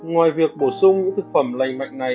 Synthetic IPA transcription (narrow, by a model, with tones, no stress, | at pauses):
ŋwaː˨˩jvi˨˩ək̚ɓo˧˩sʊ˧ŋ͡mɲɨ̰˧˥t̪ʰɨ˨˩k̚fə˧˩mla˨˩jŋ̟mwa̰˧˨jŋ̟na˨˩